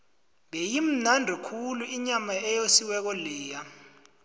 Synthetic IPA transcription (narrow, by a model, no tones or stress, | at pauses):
ɓejim̩nandʱɔkʰuluiɲamaɛjosiwɛk̬ɔlɛːja